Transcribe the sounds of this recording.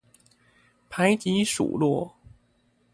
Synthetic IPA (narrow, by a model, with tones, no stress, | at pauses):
pʰa˧˥ɪt͡ɕi˧˥ʂṵ˨˩lwɔ˥˩